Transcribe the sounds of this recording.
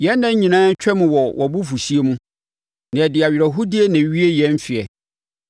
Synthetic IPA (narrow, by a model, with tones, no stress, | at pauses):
jɛ˦nː˦ã˦ɲ˦ɲĩ˨nãː˦ɲ˦t͡ɕᶣɛ˦mʊ̃˨wɔ˨wʔɔ˨bu˦fu˨si˦e˦mũ˦ | nã˨ɛ˨dɪ˨a˨ɥɾa˨ɦu˦di˦e˦nã˨˦ɥi˦e˦jɛ̃˦m˦fɪ˨ɛ˨